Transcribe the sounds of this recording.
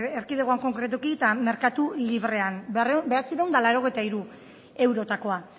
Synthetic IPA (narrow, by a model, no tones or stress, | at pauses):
erkiðeɣoaŋko̞ŋkɾe̞t̪̬ukit̪ame̞ɾkat̪uliβre̞anrbe̞at͡siɾewnd̪alaɾo̞ɣ̞ejt̪aiɾu | e̞wɾo̞t̪ako̞a